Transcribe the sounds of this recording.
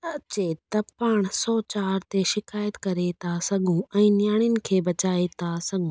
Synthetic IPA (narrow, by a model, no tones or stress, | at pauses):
ɐt͡ɕet̪ɐpaːɽ̃sɔːt͡ɕaːɾt̪eʃɪkaːjət̪kɐɾet̪ʰasɐɠʱũɛ̃ːnjaːɽ̃ɪnɪ̆kʰeːbɐt͡ɕaːet̪ʰasɐɠʱũː